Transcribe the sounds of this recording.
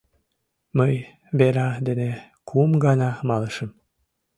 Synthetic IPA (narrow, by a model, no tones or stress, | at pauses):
məj | beɾɑd̪ene | kʰumɡɑnɑmɑləʃəm